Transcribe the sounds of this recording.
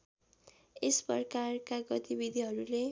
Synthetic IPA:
espʌrkarkaɡʌt̪ibid̪ʱiɦʌɾule

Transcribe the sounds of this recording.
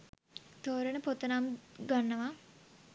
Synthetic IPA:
t̪oːɾenəpot̪ːənaːmɡanːəʋa

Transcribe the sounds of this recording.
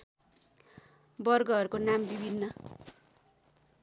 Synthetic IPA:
bʌrɡʌʌɾukonambibʱinːʌ

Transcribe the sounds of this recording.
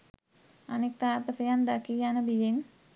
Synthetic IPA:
anek̚t̪aːpəsejand̪akijanəbijen

